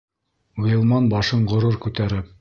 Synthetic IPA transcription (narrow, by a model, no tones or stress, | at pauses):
ujɤ̆lˠmɑnbɑʃɤɴɢŏɾoɾkʉt̪æɾɘp̚